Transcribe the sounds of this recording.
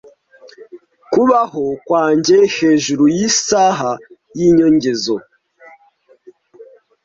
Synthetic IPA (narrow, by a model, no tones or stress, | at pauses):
kuβahokwaːɲɟehe̞ːʒuɾujisaːɦa | jiːɲoɲɟezo